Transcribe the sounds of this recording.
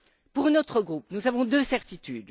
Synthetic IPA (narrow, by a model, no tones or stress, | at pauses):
puʁnɔt̪χəɡʁupnuzavɔ̃d̪øsɛʁt̪it̪yd̪